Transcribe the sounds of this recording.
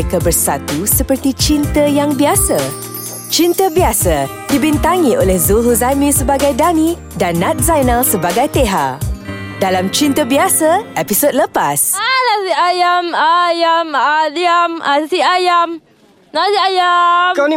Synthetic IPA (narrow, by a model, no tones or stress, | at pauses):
kabərsat̪usəpərt̪it͡ʃint̪əjaŋbiasa | t͡ʃint̪əbiasa | dibint̪aŋĩʔolɛhzuɦuzamĩsəbaɡajdanĩ | danːãt̪̚zajnalsəbaɡajt̪eɦa̰ʔdalamt͡ʃint̪əbiasaepisod̚ləpasalasiajamajamdiamasiajam | nasiajakn